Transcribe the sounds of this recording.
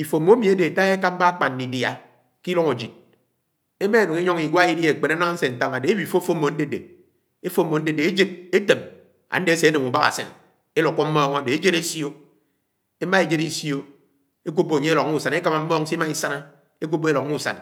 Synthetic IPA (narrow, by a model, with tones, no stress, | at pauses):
i˨fo˨mo˦e˦mi˨e˦de˨ta˦e˦ka˦m̩˦ba˦k͡pa˨n˨i˨dja˨ | ki˦lo˦ŋo˨d͡ʒi˨d̚ | e˦me˦˨no˨ŋe˦ɲo˦ŋi˨ɡʷa˦i˦di˦e˨k͡pe˨na˦na˦ŋ˦n̩˦se˨n̩˨ta˦ŋa˨de˨e˦bi˨fo˦fo˦mo˨n̩˦de˦de˨ | e˦fo˦mːo˨n̩˦de˦˨de˨e˦d͡ʒe˦d̚e˦te˨m | a̰˨n̩˦de˨e˦se˨e˦ne˨mu˨ba˦ɣa̰˨sḛ˨n | e˦lo˨kːo˦m̩˦mɔː˦ŋo˦˨de˨e˦d͡ʒe˦ɾe˦sjo˦ | e˦ma˦e˨d͡ʒe˦ɾi˦sjo˦ | e˦k̬u˦bo˨ɲe˦e˦lɔ˨k̚u˦˨sa˨ne˦ka˦ma˨m̩˦mɔ˦ŋ̩˦si˦ma˦i˦sa˦na˦ | e˦k̬u˦bo˦e˦lɔ˨kmu˦˨sa̰˨n